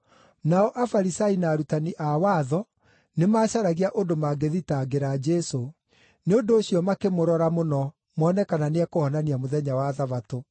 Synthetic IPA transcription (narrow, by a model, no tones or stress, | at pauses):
naɔʔafaɾisainaːɾutaniʔawaːðɔ | nemaːɕaɾaɣiaʔondomaɡeðitaɡeɾad͡ʒɛso | neondoːɕiɔmakemoɾɔɾamonɔ | mɔːnɛkananeakohɔnaniamoðɛɲawaðaβato